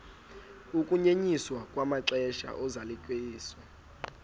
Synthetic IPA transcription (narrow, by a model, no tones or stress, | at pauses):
ukʼuɲeɲiswakʼwamaǀɛʃa̰ʔɔzalikʼweːsɔ